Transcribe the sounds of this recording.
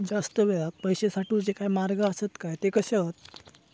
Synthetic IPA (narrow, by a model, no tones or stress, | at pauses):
d͡zast̪əʋeɭak̚pəjɕesaʈuːd͡ʑekajmaɾɡəːsət̪kajt̪ekəɕət̪̚